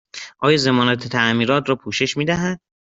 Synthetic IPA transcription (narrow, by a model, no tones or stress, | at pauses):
ʔɒːjɒːze̞mɒːnæt̪ʰet̪ʰæmiːɾɒːt̪ʰɾɒːpʰuːʃe̞ʃmiːd̪æɦæd̪̥̚